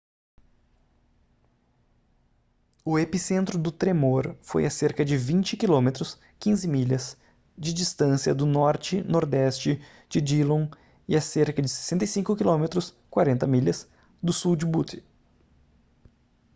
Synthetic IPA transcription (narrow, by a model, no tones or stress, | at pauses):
ʊepisẽnt̪ɾʊd̪ʊt̪ɾemoɾfo̰jɐseɾkɐd͡ʒɪvĩnt͡ʃɪkilõmet̪ɾʊs | kĩzɪmiʎɐz | d͡ʒɪd͡ʒist̪ɐ̃sjɐd̪ʊnɔɾt͡ʃɪnoɾd̪ɛst͡ʃɪ | d͡ʒɪd͡ʒilõ | ɪaseɾkɐd͡ʒɪse̥sẽnt̪ejsĩŋkʊkilõmet̪ɾʊs | kwaɾẽnt̪ɐmiʎɐz | d̪ʊsuwd͡ʒɪbut̪ʰɪ